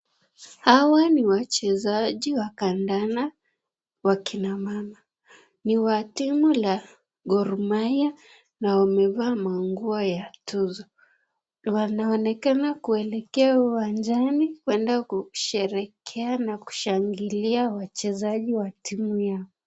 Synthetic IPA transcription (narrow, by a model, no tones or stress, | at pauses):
hawaniwat͡ʃɛzaʄiwakandana | wakʰinamama | niwatimula | ɡɔɾmaja | naamɛvaːmaŋɡuɔjatuzɔ | wanaɔnɛkanakuɛlɛkɛawiwand͡ʒanikwɛndakuʃɛɾɛkʰɛanaku̥ʃaŋɡiliawat͡ʃɛzaʄiwatʰimujaɔ